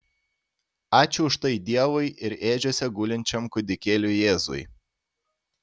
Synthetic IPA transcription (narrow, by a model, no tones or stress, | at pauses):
ɑːt͡ʃʲʊʊʃt̪ɐɪd̪ʲiɛʋʊɪʔɪɾeːd͡ʒʲoːsʲɛɡʊlʲɪnʲt͡ʃʲɛmkʊd̪ʲɪkʲeːlʲʊjeːzʊ̰j